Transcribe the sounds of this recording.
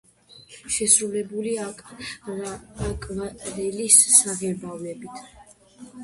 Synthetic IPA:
ʃɛsɾulɛbulia | akʼvaɾɛlisːaʁɛbavnɛbit̪ʰ

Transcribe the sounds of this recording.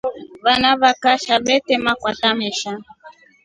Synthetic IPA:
βanaβakaʃabɛtɛmakwatamɛʃa

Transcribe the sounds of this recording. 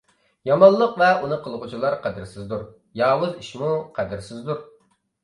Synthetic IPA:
jɑmɑnllˠəqvɛunɨqʰəlˠʁʊt͡ʃʰilˠɑɾqʰæd̪ɪɾsɪzd̪uɾ | jɑːwʊziʃmuqʰæd̪ɪɾsɪzd̪uɾ

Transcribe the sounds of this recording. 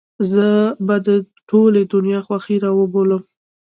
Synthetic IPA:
zəbad̪ə | ʈʰoled̪ʊnjɑxwaxiɾɑwəboləm

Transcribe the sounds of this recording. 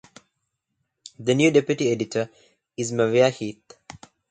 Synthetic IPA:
d̪ənjuːɖepjuʈieɖiʈʰə | izməʋiahiːt̪

